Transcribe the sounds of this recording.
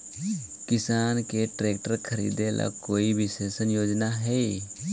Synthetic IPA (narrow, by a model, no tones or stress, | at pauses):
kɪsaːnkeʈɾeːk̚ʈəɾkʰəɾḭːd̪elʔa̰koːibʱɪseːsənjoːd͡ʒnaɦɛː